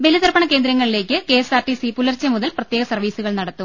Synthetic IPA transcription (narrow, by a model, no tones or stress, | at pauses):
be̞liðɐrbɐɳɐke̞ːnd̪ɾɐŋːɐɭile̞ːkʲːɨke̞ːsaːrʈisipulɐrt͡ɕːɐmuðɐlprɐt̪je̞ːɣɐsɐrʋiːsuɣɐɭnɐɽɐt̪ːum